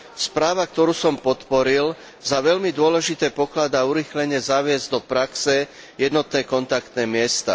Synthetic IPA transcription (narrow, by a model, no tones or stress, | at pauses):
spɾaːʋak̚t̪ɔɾuːsɔmpɔt̪pɔɾil | zaʋɛʎmid̪ʊɔlɛʒit̪ɛːpɔklad̪aːuɾiːxlɛɲɛzaʋɪɛzd̪ɔpɾaksɛ | jɛd̪nɔt̪nɛːkɔnt̪ak̚t̪nɛːmɪɛst̪a̰